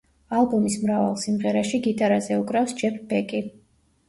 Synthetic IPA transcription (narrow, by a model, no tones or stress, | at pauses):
alˠbɔmismɾava̰lˠsimʁɛɾaʃiɡit̪ʼaɾazɛukʼɾafsd͡ʒɛpʰbɛkʼi